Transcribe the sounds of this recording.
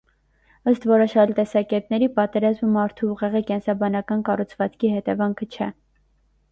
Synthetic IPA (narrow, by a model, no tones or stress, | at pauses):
əst̪vɔɾɔʃɑlt̪ɛsɑkɛt̪nɛɾipɑt̪ɛɾɑzməmɑɾt̪ʰuuʁɛʁikɛnsɑbɑnɑkɑnkɑrut͡sʰvɑt͡skʰihɛt̪ɛvɑŋkʰət͡ʃʰɛ